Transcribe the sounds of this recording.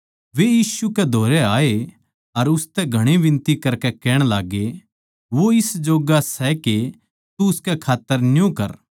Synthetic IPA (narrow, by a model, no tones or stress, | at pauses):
ʋejiːsukɛd̪ʱoːɾɛaːe | ɐɾʊst̪ɛɡʱɐɽ̃eʋɪ̃nt̪ikɐɾkɛkɛːɽ̃laːɡe | ʋoɪsd͡ʒoːɡasɛke | t̪uʊskɛkʰaːt̪ːəɾnjõkɐɾ